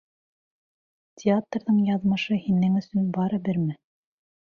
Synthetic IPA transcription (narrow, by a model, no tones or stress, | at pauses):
tʲɪat̪rðɤɴjɑðmɤ̆ʃɤhinɘŋɵ̆sɵnbɑɾɘ̆bɘɾmɘ